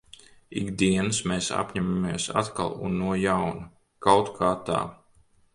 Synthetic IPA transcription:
ḭɡd̪iɛnsmeːsa̰pɲamamiɛsa̰t̪ka̰lˠṵnːuɔjawnu | kawt̪kʰaːt̪a̰ː

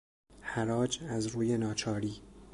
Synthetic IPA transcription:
hæɾɒːd͡ʒæzɾuːje̞nɒːt͡ʃʰɒːɾiː

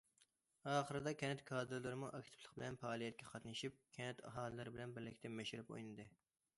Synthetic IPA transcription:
ɑːχəɾɨd̪ɑkʲʰɛnɛt̪kʰɑːd̪ɨɾlˠɨɾɨmuʔɑkʲt̪ʰɪ̥plˠə̥qbɪlɛnpɑːlˠijɛt̪̚kʲʰɛqʰɑt̪nɨʃip̚kʲʰɛnɛt̪ʰɑ̰ɦɑːlˠɨlˠɨɾɪbɪlɛnbɪɾlɪkʲt̪ɛmɛʃɪɾɪpo̰jnɨd̪ɨ

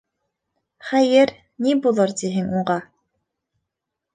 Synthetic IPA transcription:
χæjɛɾ | nibulˠaɾd̪iɦɘŋuɴɢɑ

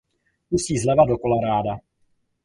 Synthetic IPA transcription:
pusiːzlɛvadokolaɾaːda

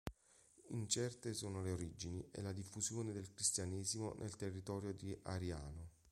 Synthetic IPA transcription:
ḭnt͡ʃɛrt̪esoːnoleoɾid͡ʒiniʔḛlad̪ifːuzjoːned̪elkɾist̪janɛːzimo̰nʔḛlt̪erːit̪ɔːɾjod̪iʔa̰ɾjaːno

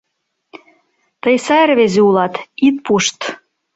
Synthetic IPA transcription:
t̪əjsɑrβezeulɑt̪it̪̚puʃt̪

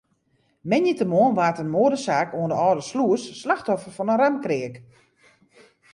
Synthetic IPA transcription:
mɛnjətəmoənʋaːtənmoədəsaːkoəndəɔːdəsluəsːlaxtɔfərfɔnənramkrɪək

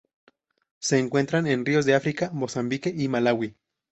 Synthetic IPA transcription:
se̞ːŋkwe̞nt̪ɾane̞nrio̞zðe̞afɾikamo̞sambikeimalawi

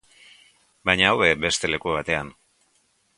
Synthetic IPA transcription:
bajɲaːwβe̞be̞st̪e̞le̞kuβ̞at̪e̞an

